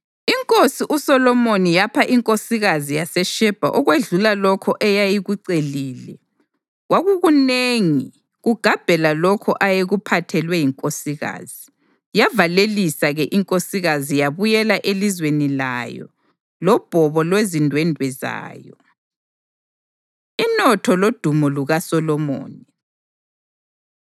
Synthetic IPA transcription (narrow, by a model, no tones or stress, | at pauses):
iŋkʼosiʔusɔlɔmonijapʰaʔiŋkʼosiɣazijasɛʃɛb̥ʱa̰ʔɔɣweɮulalɔkʰɔʔɛjajiɣuǀeliːlɛ | ɣwaɣuɣuneŋi | ɣuɡ̥ʱab̥ʱɛlalɔkʰɔʔajeɣupʰatʰɛlwɛjiŋkʼosiɣa̰ːz̥i | javalelisaɣɛʔiŋkʼosiɣazijaβujɛlaʔelizwenilajɔ̰ | lɔb̥ʱɔβɔlwezindʱwɛndʱwɛza̰ːjɔ | inɔtʰɔlod̥ʱumɔluɣasɔlɔmo̰ːni